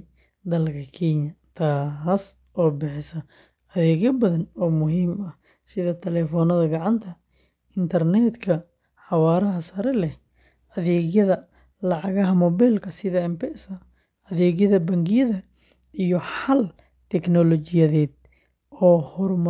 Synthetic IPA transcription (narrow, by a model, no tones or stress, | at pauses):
d̪ɐlkʰɐkʰɛɲɐt̪ʰaːs | ʔɔːbɪħɪsɐ | ɐðɛːɣjɐbɐðɐnɔːmʊɦiːmɐh | sɪðɐt̪ʰɛlɛːfɔnɐðɐɡɑʕɑnt̪ʰɐ | ɪnt̪ʰɐrnɛd̪kʰɐ | ħɑwaːɾɐɦɐsɐɾɛlɛh | ʔɐðɛːɣjɐðɐ | lɑʕɑɣɐɦɐmɔβɛjlkʰɐsɪðɐɛmpɛʔsɐ | ɐðɛːɣjɐðɐbɐŋɡɪjɐðɐ | ijɔħɐl | t̪ʰɛknɔlɔt͡ʃɪjɐðɛːd̪̚ | ɔːhɔrm